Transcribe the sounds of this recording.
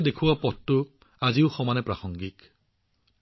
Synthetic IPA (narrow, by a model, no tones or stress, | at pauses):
dekʰuwapɔtːʊ | aziʊxɔmanɛpɹaxɔŋɡik